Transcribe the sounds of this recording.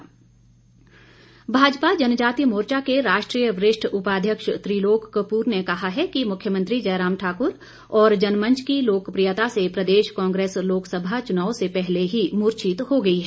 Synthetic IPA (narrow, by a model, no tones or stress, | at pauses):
bʱaːd͡ʒpad͡ʒɐnd͡ʒaːt̪imoːɾt͡ʃakeɾaːʃʈɾiːjəʋɾɪʃʈʰʊpaːd̪ʱjəkʃt̪ɾiːloːkːəpuːɾnekɐɦaɦɛkimʊkʰːjəmə̃nt̪ɾid͡ʒɐːɾaːmʈʰaːkʊɾ | ɔːɾd͡ʒɐnmə̃ɲt͡ʃʰkiloːkpɾijət̪asepɾɐd̪eːʃkãːŋɡɾeːsloːksəbʱat͡ʃʊnaːosepɛɦleɦimuːɾt͡ʃɪt̪hoɡɐiɦɛː